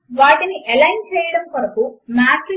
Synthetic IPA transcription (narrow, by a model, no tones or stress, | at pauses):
ʋaːʈiniʔelɐjnt͡ʃɛːjɐɽɐmpɐɾɐkumaːʈ